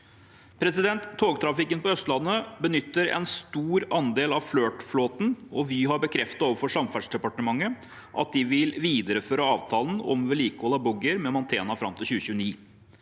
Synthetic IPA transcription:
pʰɾɛsɪd̪ɛnt̪ʰːoːɡt̪ʰɾɑfɪkənpɔœst̪lɑnːəbənʏt̪ːəɾɛ̰nst̪uːɾɑnd̪eːlɑʋfløːʈfloːt̪n̩ɔʋɪɦɑɾbəkʰɾɛft̪ɑt̪oːʋəɾfɔʂɑmfæɖʂɖ̪ɛpɑʈəmɑŋːə | ʔɑ̰t̪̚d̪ɪʋɪlʋiːd̪əɾəføːɾəɑːʋt̪ʰɑːln̩ɔ̰mʋɛɭiːkɔlɑbɔɡəɾmɛmɑnt̪ʰeːnɑfɾɑmt̪ʰɪlçʉːəçʉːniː

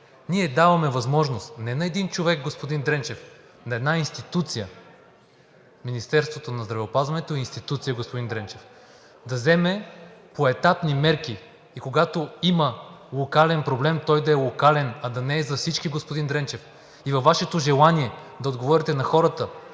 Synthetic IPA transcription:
niɛd̪avɐmɛvɐzmɔʒnost̪nɛnɐɛd̪int͡ʃovɛɡ̚ɡospod̪ind̪ɾɛnt͡ʃɛf | nɐɛd̪nainst̪it̪ut̪sijə | minist̪ɛɾst̪vot̪onɐzd̪ɾɐvɛopazvɐnɛt̪oiinst̪it̪ut̪sijəɡospod̪ind̪ɾɛnt͡ʃɛf | d̪ɐzɛmɛpoɛt̪apnimɛɾkiː | koɡat̪oiməlˠokalɛnpɾoblɛmt̪ɔjd̪ɐɛlˠokalɛnɐd̪ɐnɛːzɐfsit͡ʃkiɡospod̪ind̪ɾɛnt͡ʃɛf | ivɐfːaʃɛt̪oʒɛlˠaniɛd̪ɐod̪ɡovɔɾit̪ɛnɐxɔɾət̪ə

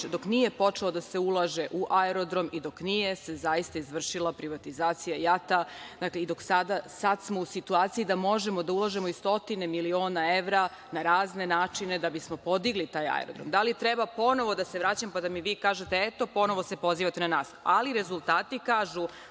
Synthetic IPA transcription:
d̪o̞knije̞po̞t͡ʂelod̪ase̞ulˠaʒe̞ʔuʔaeɾo̞d̪ɾo̞mid̪o̞knije̞se̞zajist̪aizʋr̩ʃilˠapɾiʋat̪izaːt̪sijajat̪add̪akleid̪o̞ksad̪asad̪smo̞usit̪uaːt̪sijid̪amo̞ʒe̞mo̞d̪aulˠaʒe̞mo̞ist̪o̞t̪ine̞milio̞ːnae̞ʋɾa | naɾaːzne̞naːt͡ʂine̞d̪abismo̞po̞d̪iɡlit̪aːja̰ḛɾod̪ɾo̞̰md̪alit̪ɾebapo̞no̞ʋo̞d̪aseʋɾaːt͡ɕamopad̪amiʋiːkaːʒet̪eet̪o̞po̞no̞ʋose̞po̞ziːʋat̪enanaːsa̰liɾe̞zulˠt̪aːt̪ikaːʒu

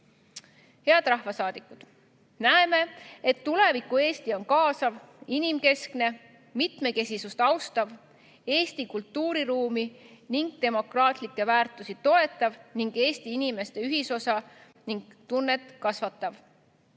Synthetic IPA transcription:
he̞ɑd̪rɑhvɑsɑːd̪̥ikːˑud̪̥ | næeme̞et̪ːule̞vikːˑue̞ːst̪io̞nkɑːsɑv | inimke̞skne̞ | mit̪me̞ke̞sʲisust̪ɑwst̪ɑv | e̞ːst̪ikult̪ːuːɾiɾuːminiŋɡ̥̚t̪e̞mo̞krɑːt̪ˑlikːe̞væːrt̪ːˑusit̪o̞e̞t̪ˑːɑvniŋɡ̥e̞ːst̪iinime̞st̪e̞yɦiso̞sɑ | niŋɡ̥̚t̪unːe̞t̪ːˑkɑsvɑt̪ːˑɑv

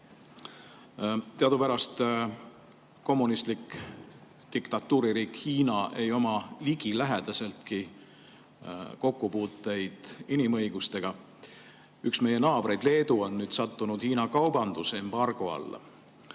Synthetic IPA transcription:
t̪eɑd̪upæɾɑst̪ | ko̞mːunist̪lik | t̪ikt̪ɑt̪ːˑuːɾiɾiːkhiːnɑʔe̞jo̞mɑliɡ̥ilæɦed̪̥ɑse̞lt̪ki | ko̞kːˑupuːt̪ːˑe̞jd̪̥inimɤ̞jɡ̥ust̪e̞ɡ̥ɑ | yksme̞je̞nɑːb̥ɾe̞jd̪le̞ːd̪̥uo̞nːyːd̪̥sɑt̪ːunud̪̥hiːnɑkɑwb̥ɑnd̪use̞mb̥ɑrɡ̥oɑ̰lː

